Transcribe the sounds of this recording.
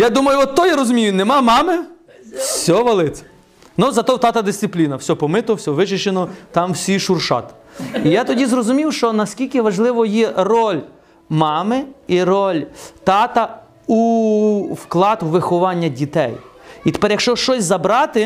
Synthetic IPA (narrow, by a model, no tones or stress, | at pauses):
jad̪umɐjʊɔt̪ːɔjaɾɔzʊmʲijʊnɛmɑmɑmɪ | wsʲɔʋɐlˠɪt͡s̪ʲɛ̥ | nuzɐt̪ɔt̪ɑt̪ɐd̪ɪsʲsɪplʲinɐwsʲɔpɔmɪt̪ɔwsʲɔʋɪt͡ʃɪt͡ʃenɔt̪ɑmwsʲiʃurʃɑ̰t̪ | ijat̪ɔdʲizrɔzʊmʲiwʃt͡ʃɔnɐskʲilʲkɪʋɐʒlˠɪʋɔjɛrɔlʲ | mɑmɪiɾɔlʲt̪ɑt̪ɐ | u | wklˠɑt̪ʋɪxɔʋɑnʲːɐdʲit̪ɛ̰jit̪e̥pɛɾjɐkʃt͡ʃɔʃt͡ʃɔsʲzɐbɾɑt̪ɪ